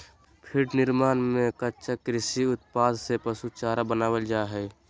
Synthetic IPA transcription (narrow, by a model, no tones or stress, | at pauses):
pʰɪʈnɪɾmaːnmẽkətːt͡ʃəkɾɪsiʊt̪paːd̪sepəsut͡ʃaːɾabənaːwəld͡ʒaːɦɛː